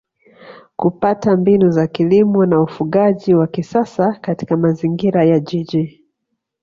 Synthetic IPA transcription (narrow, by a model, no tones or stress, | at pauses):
kupatambinuzakilimɔnaufuɠaʄiwakisasakati̥kamaziŋɡiɾajaʄiʄi